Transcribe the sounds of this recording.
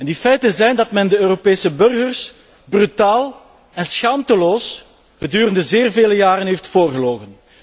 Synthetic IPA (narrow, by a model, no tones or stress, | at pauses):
ɛndifɛjtənzɛjndɑtmɛndəøːɾopeːsəbɵrɣərs | brytaːlˠ | ɛnsxaːmtəloːs | ɣədyːɾəndəzeːrveːləjaːɾənɦeftfoːrɣəloːɣən